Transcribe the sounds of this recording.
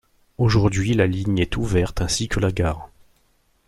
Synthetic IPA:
oʒuʁd̪ɥilaliɲɛt̪uvɛʁt̪ɛ̃sikʰəlaɡaːʁ

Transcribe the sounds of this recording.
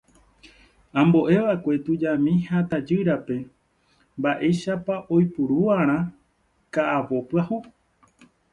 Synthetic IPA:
ãmbo̞ʔe̞ʋaekʷe̞t̪ud͡ʒamĩhat̪ad͡ʒɨɾape̞ | mbaʔe̞jʃapaʔo̞jpuɾuaɾ̃ã | kaʔaʋo̞pɨahu

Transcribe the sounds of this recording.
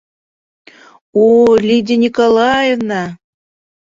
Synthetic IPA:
olʲid̪ʲenʲikolˠɑjevnɑ

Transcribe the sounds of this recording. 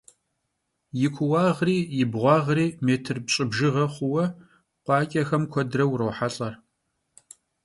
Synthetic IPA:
jɪkʷʰʊwɑːʁriːjɪbʁʷɑːʁriːmeːtʰɨrbɕʼɪbʒɪʁɐχʷʊwɐ | qʷɑːkʲʼɐxɐmkʷʰɔdrɐwɾɐwħaɬʼɐr

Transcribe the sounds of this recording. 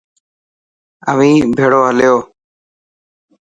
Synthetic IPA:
əʋĩːbʱeːɽoːɦəljoː

